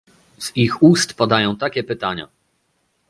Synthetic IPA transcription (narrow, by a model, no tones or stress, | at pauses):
z̥ixust̪pad̪ajɔ̃w̃t̪akʲɛpɘt̪aɲa̰